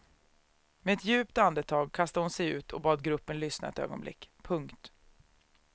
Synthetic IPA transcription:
meɛt̪jʉ̟ːpt̪and̪ət̪ʰɑːɡ̚kʰast̪əhʊnsɛjʉ̟̰ːt̪ʰɔbɑːd̪ɡɾɵpːənlʏsna̰ɛ̰t̪ø̰ːɡɔ̰nblɪ̰kːpʰɵŋkt̪

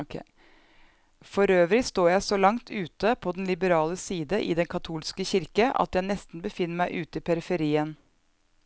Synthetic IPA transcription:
fɔɾøːʋɾɪst̪oːjæɪsɔlɑŋt̪ʰʉːt̪əpʰɔd̪ɛnlɪbəɾɑːləsiːd̪əʔɪ̰d̪ɛnkʰɑt̪ʰuːlskəçɪɾkəʔɑ̰t̪jæɪnɛst̪n̩bəfɪnːəmæɪʔʉːt̪əɪpʰɛɾɪfəɾiːən

